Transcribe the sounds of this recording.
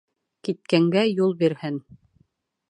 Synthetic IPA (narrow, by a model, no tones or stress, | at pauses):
kit̪̚kæŋɡæjulˠbiɾhɘn